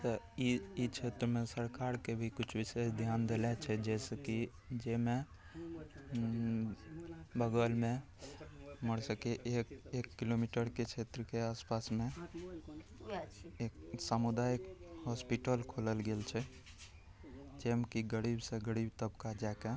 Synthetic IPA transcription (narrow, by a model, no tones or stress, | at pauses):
t̪ə | iit͡ʃʰet̪ɾəmẽsəɾkaɾkebʱikut͡ʃʰʋisesd̪ʱjand̪elɛt͡ʃʰɛd͡ʒɛsəki | d͡ʒemẽ | bəɡəlmẽ | məɽsəkeʔekekːilomiʈəɾket͡ʃʰet̪ɾəkeaːspasmẽ | eksamud̪ajkɦɔspiʈəlkʰoləlɡelt͡ʃʰɛ | d͡ʒemkiɡəɽibseɡəɽibt̪əbkad͡ʒajka